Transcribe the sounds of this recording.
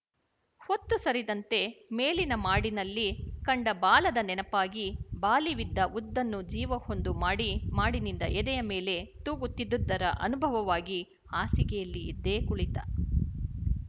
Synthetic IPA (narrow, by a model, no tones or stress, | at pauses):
ho̞t̪ːusɐɾid̪ɐnt̪e̞meːlinɐmaːɽinɐlːikɐɳɖɐbaːlɐd̪ɐnɛnɐpaːɡibaːliʋid̪ːɐʔud̪ːɐnːud͡ʒiːʋɐho̞nd̪umaːɽimaːɽinind̪ɐʔɛd̪ɛjɐme̞ːle̞t̪uːɡut̪ːid̪ːud̪ːɐɾɐʔɐ̰nubʱɐʋɐʋaːɡi | aːsiɡɛjɐlːiːd̪ːe̞ːkuɭit̪ɐ̰